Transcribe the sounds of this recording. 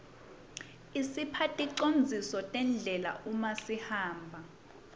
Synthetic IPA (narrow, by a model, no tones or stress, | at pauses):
isipʰatʼiǃond͡zʱisɔtʼɛnd͡ɮʱɛla̰ʔumasihaːmbʱa